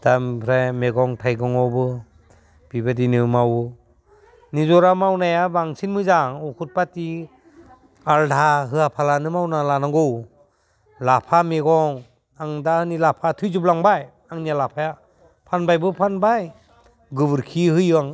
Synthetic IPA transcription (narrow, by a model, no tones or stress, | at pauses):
d̥ampʰɾajmeɡɔŋtʰajɡɔŋɔbɯ | b̥ibadinɯmaw | nizɔɾamawnajabaŋsinmɯzaŋɔkʰut̚pati | aldʱaɦɯapʰalanɯmawnalanaŋɡow | lapʰameɡɔŋ | aŋdaɯnilapʰatʰɯjzuplaŋbaj | aŋnijalapʰaja | pʰanbajbɯpʰanbaj | ɡɯbɯɾkʰihɯjɯaŋ